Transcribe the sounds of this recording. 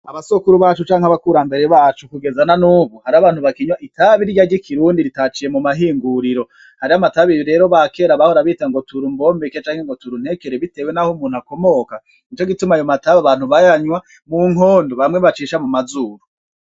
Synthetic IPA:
aβasokuɾuβaːt͡ʃut͡ʃaːŋhaβakuɾambe̞ɾe̞βaːt͡ʃukuɡe̞zananuːβuhaɾaβaːnhuβakiɲwaʔitʰaβiɾɟaɾɟikʰiɾuːndiɾitat͡ʃije̞mumaɦiːŋɡuɾiɾo̞ | haɾiamataβiβiɾe̞ːɾo̞βake̞ɾaβahoɾaβiːtaŋɡo̞tuɾumbo̞mbeket͡ʃaːŋheŋɡo̞tuɾun̥e̞keɾeβite̞we̞nahomuːnhako̞mo̞ka | it͡ʃo̞ɡitumajomataβaβaːn̥huβajaɲwa | muŋ̥oːndoβamŋe̞βat͡ʃiʃamumazuːɾu

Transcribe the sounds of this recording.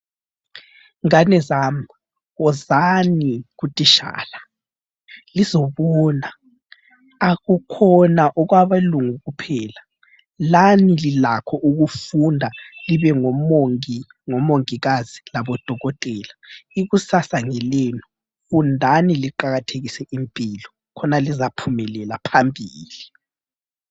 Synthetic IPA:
ŋanɛzaːm | ɣɔzaniɣutʼiʃa̰ːla | lizɔβɔːna | aɣukʰɔnaʔɔɣwaβaluŋuɣupʰɛːla | lanililakʰɔʔuɣufundʱaliβɛŋɔmŋi | ŋɔmoŋiɣazilaβɔd̥ʱɔɣɔtʼɛːlaiɣusasaŋɛlɛːnɔ | fundʱaniliǃaɣatʰeɣisɛʔimpʼilɔ | kʰɔnalizapʰumɛlɛlapʰambʱiːli

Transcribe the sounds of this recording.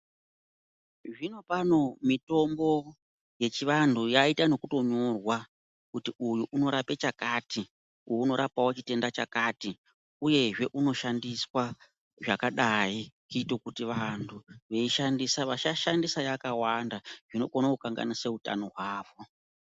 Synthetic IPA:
ʐino̞pano̞mito̞mbo̞ | je̞t͡ʃiʋantʰujaitano̞kuto̞ɲo̞rwa | kutiujuʔuno̞ɾape̞t͡ʃakati | uuno̞ɾapawot͡ʃite̞ndat͡ʃa̰kati | uje̞ʐe̞ʔuno̞ʃandiswa | ʐakaɗaikuito̞kutiʋantʰuʋe̞iʃandisaʋaʃaʃandisajakawandaʐ̥ino̞̰konakukaŋɡa̰niseuta̰no̞ɦwaːʋo̞

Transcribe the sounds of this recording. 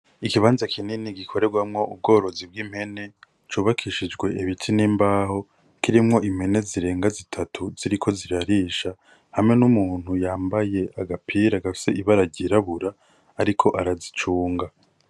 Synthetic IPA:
ikiβaːnzakʰininiɡikʰo̞ɾe̞ɡwamŋo̞ʔub̚ɡo̞ːɾo̞zib̚ɡiːm̥he̞ne̞ | t͡ʃuːβakʰiʃid͡ʒɡwe̞ʔeβitʰiniːmbaːho̞ | kiɾimŋo̞ʔim̥he̞ne̞ziɾe̞ːŋɡazitʰatʰuz̥iɾikʰo̞ziɾaɾiːʃa | hamŋe̞numuːn̥hujaːmbaje̞aɡapʰiɾaɡafi̥se̞iβaɾaɟiɾaβuɾaː | ɾikʰo̞ʔaɾazit͡ʃuːŋɡa

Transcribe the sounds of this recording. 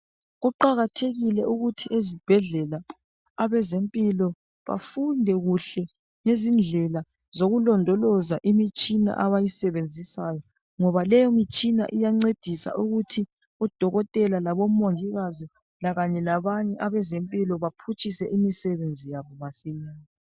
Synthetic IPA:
ɣuǃaɣatʰeɣilɛʔuɣutʰiʔezib̥ʱɛɮɛlaː | βɛzempʼilɔ | βa̰fundʱɛɣuɬɛ | ŋezind͡ɮʱɛla | zoɣulɔndʱɔlɔzaʔimit͡ʃʼina̰ʔaβajisɛβend͡zʱisaːjɔ | ŋɔβalɛjɔmit͡ʃʼina̰ʔijaŋ͡ǀed̥ʱisa̰ʔuɣutʰi | ɔd̥ʱɔɣɔtʼɛlalaβomoŋiɣazi | laɣaɲɛlaβaɲɛʔaβɛzempʼilɔβapʰut͡ʃʼisɛʔimisɛβend͡zʱijaβɔβasijiːni

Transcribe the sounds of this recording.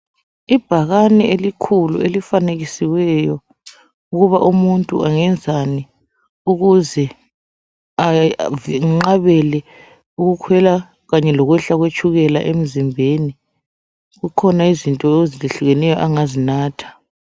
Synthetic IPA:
ib̥ʱaɣanɛelikʰulṵelifaneɣisiwɛjɔ | uɣuβaʔumuntʼṵʔaŋɛnd͡zʱani | uɣuzɛ | avŋ͡ǁaβɛlɛ | uɣukʰwɛla | ɣaɲɛlɔɣwɛɬaɣwet͡ʃʰʼuɣɛla̰ʔem̩zimbʱeni | ɣukʰɔnaizintʼɔeziliɬuɣɛnɛjɔʔaŋazinaːtʰḁ

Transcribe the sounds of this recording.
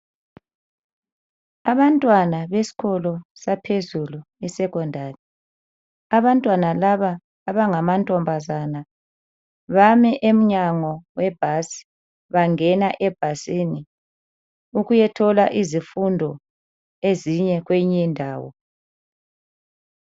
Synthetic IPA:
aβantʼwanaβesi̥kɔlɔsapʰezulu | ɛsɛkɔndʱarɛ | aβantʼwanalaβaː | βaŋamantʼɔmbʱazana | βamɛʔem̩ɲaŋɔwɛb̥ʱasi̥ | βaŋɛnaʔɛb̥ʱasini | uɣujɛtʰɔlaʔizifundʱɔ | eziɲɛɣweɲindʱaːwɔ̰

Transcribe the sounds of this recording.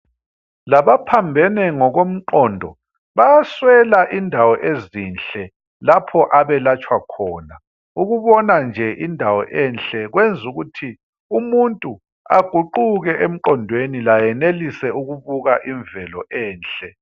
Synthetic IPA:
laβapʰambʱɛnɛŋɔɣom̩ǃɔndʱɔ | βajaswɛlaʔindʱawɔʔezinɬɛ | lapʰɔʔaβɛlat͡ʃʼwakʰɔːna | uɣuβɔnand͡ʒʱɛʔindʱawɔ̰ʔɛnɬɛɣwend͡zʱuɣutʰi | umuntʼu | a̰ɡ̥ʱuǃuɣɛʔem̩ǃɔndʱwenilajɛnelisɛuɣuβuɣaʔiɱvɛlɔʔɛːnɬɛ

